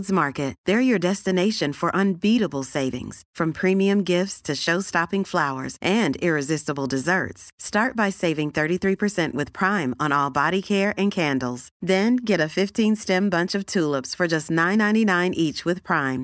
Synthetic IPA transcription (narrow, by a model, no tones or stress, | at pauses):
dzmɑɹkɨt̪̚ðə˞jə˞dɛstɨneɪʃɨ̃nfə˞ʔə̃nbiɾəbl̩ˠseɪvɪ̰̃ŋz̥fɹʌ̃mpʰɹ̥ĩmiɨ̃mɡɪftstʰɨʃoʊstɑpɪ̃ŋflaʊə̰˞zʔɨ̃ndɪɹɨzɪstəbl̩ˠdɨzɜ̰˞tstɑɹt̚b̥aɪseɪvɪ̃ŋθɜ˞ɾiθɹipʰə˞sɛ̃nʔwɨð̥pʰɹ̥ãɪ̃mə̃nɔlˠbɑɾikʰɛɹɨ̃nkʰæ̃ndˡl̩ˠz̥ðɨ̃nɡɛɾɨfɪftʰĩnstɛ̃mbʌ̃nt͡ʃʌv̥tʰulˠəpsfə˞d͡ʒʌstⁿnãɪ̃nãɪ̃ñtinãɪ̃nʔit͡ʃwɨð̥pʰɹ̥ãɪ̃m